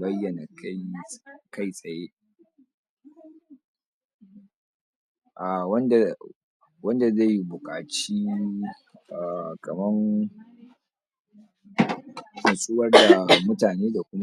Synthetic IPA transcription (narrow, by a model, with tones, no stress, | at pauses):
bɐ˦jːɐ˨na˨k | ka˦jsʼɐ˨jeː˦ | ʔa˨wɐ˦nda˨ | wɐ˦nda˨za˦˨jbʊ˨kʼaː˨t͡ʃiː˦ | ʔa˨kɐ˨mɐ˦ŋ | mɐ˨sʼɪ˦wɐ˦rda˨mʊ˦taː˨neː˦da˨kʷʊ˦n˦